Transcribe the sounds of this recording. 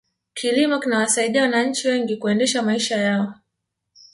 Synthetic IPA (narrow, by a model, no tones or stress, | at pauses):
kʰilimɔkinawasaiɗiawanaɲ̩t͡ʃiwɛŋɡikuɛndɛʃamaiʃajaɔ